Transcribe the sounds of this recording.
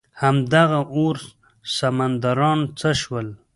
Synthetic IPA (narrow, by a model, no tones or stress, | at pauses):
hamd̪aɣaʔoɾ | samand̪aɾɑnt͡səʃwəl